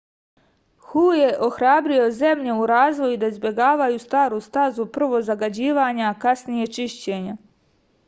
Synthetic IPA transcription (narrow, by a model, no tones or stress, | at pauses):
xuːje̞ʔo̞xɾaːbɾio̞ze̞mʎe̞uɾaːzʋo̞jud̪aizbʲje̞ɡaːʋajust̪aːɾust̪azupr̩ʋo̞zaɡad͡ʑiːʋaːɲakasnije̞t͡ʃiʃt͡ɕeːɲa